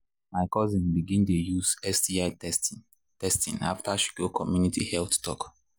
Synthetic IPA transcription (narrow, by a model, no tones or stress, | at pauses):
maɪkɔzĩnbiɡĩntejuzɛsdiaɪɛs | tɛstḭ̃na̰ftaʃu̥kokʰɔmjunitihɛlttɔ̰k